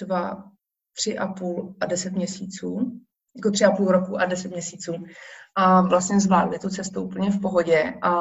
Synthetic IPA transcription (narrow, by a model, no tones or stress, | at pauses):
d̥va | t̪r̝̥ɪʔapuːlʔadɛsɛt̪mɲɛsiːt͡suː | jakot̪r̥ɪapuːlɾokuʔadɛsɛt̪mɲɛsiːt͡suːʔavlast̪ɲɛzvaːdlɪt̪ut͡sɛst̪uʔupl̩ɲɛfpo̞ɦo̞ɟɛʔa